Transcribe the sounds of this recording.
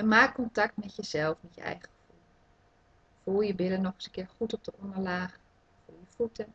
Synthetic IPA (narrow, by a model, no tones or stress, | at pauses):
əmaːkkːɔntak̚tmɛtjəzɛlˠfmɛtjə̰ɛ̰jχəχfulˠ | fulˠjəbɪlənɔχəsəkɪːɹχutɔp̚dəʔɔndəɹlaːχ | fulˠjəfutə